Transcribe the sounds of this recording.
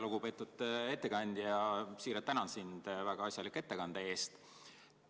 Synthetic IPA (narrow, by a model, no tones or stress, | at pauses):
luɡ̥upe̞ːt̪ːˑud̪̥e̞t̪ːe̞kɑnʲd̪̥ʲjɑsiːɾɑt̪t̪ːænɑnsind̪̥væɡ̥ɑɑsʲjɑlikːe̞t̪ːe̞kɑnd̪̥ɑe̞ːst̪